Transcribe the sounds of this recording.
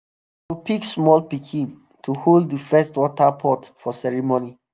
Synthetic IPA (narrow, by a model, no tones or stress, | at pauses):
tupiksmɔlpikʰĩn | tʰuholdəfɛstwɔtapʰɔtfɔsɛɹimoni